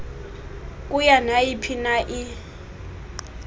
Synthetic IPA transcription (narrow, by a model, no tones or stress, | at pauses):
kʼujanaipʰinaʔɪ